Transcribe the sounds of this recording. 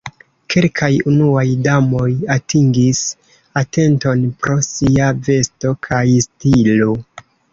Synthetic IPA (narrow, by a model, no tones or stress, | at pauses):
kʰe̞lkʰajunuajdamo̞jatʰiŋɡis | ate̞nto̞npɾo̞siave̞sto̞kʰajstilo